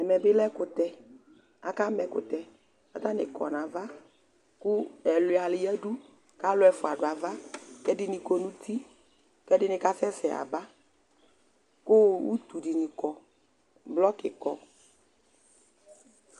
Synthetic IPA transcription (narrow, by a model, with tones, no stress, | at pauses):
ɛ˨mɛ̃˨bɪ˦lɛ˦kʊ˨t̪ɛ˦ | a˨ka˦mɛ˨kʊ̰˨t̪ɛ˨ | a˦t̪a˦nɪ̰˨kɔ̰˨nã˨va˦ | ku˦ɛ˨lʊ˨a˨lɪ˨jɛ˦ɖu˦ | ka˦lʊ˦ɛ˦fʊ˨a˨ɖʊ˨a˨va˦kɛ˦dɪ˦nĩ˨ko˦nũ˦t̪ʰi˦ | kɛ˦dɪ˦nɪ̃˨ka˦sɛ˦sɛ˨a̰˨ba˦ | kʊ˦wṵ˦t̪u˨di˨nĩ˨kɔ˨ | blɔ˦kɪ̰˨kɔ˨